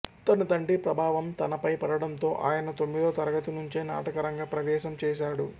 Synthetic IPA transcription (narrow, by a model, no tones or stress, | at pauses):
t̪ɐnɐt̪ɐɳʈipɾɐbʱaːʋɐmt̪ɐnɐpɐjpɐɽɐɽɐnt̪o̞ːʔa̰ːjɐnɐt̪o̞mːid̪oːt̪ɐɾɐɡɐt̪unuɲt͡ʃeːna̰ːʈɐkɐɾɐŋɡaːpɾɐʋɛːʃɐmt͡ʃɛːʃaːɽu